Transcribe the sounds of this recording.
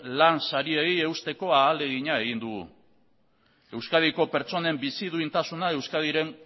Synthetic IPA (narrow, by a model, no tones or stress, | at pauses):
lansaɾieie̞ust̪e̞ko̞aːle̞ɣ̞iɲae̞ɣ̞ind̪uɣṵ | e̞wskað̞iko̞pe̞ɾt͡so̞ne̞mbisið̞uint̪asunae̞wskað̞iɾe̞n